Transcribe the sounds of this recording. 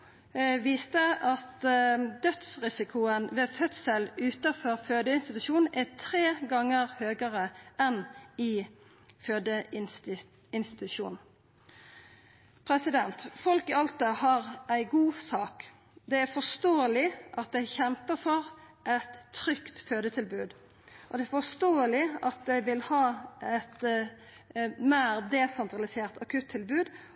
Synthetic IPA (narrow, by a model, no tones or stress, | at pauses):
ʋiːst̪əʔɑt̪d̪œt̪sʁɪsɪkʰʊənʋɛfœt̪səlʉːt̪əfɔɾføːd̪əɪnst̪ɪt̪ʉʃuːn̩ʔæt̪ʰʁeːɡɑŋːəʁhøːɡəʁəʔɛnɪ | føːd̪əɪ | ɪnst̪ɪt̪ʉʃuːnn̩ | pʰɾɛsɪd̪ɛnt̪fɔlkəɑlt̪əhɑɾæɪɡuːsɑːk | d̪ɛæɾfɔst̪oːəlɪʔɑt̪̚d̪ɛɪçɛmpəfɔʁʔɛt̪ʰːɾʏkt̪føːd̪ət̪ʰɪlbʉːd̪ | ʔɔd̪ɛæɾfɔst̪oːəlɪɑt̪̚d̪ɛɪʋɪlhɑːɛt̪ | meːɾd̪eːsɛnt̪ɾɑlɪseːʁt̪ʰɑkʰʉt̪ʰːɪlbʉːd̪